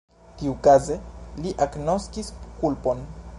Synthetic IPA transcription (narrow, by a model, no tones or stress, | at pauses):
kiukazeliʔakno̞skiskulpo̞n